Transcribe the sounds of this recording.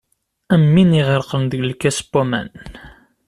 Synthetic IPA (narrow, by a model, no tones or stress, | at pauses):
æmːiniʁəɾqənðəɡlkːæsə̥bomæ̰n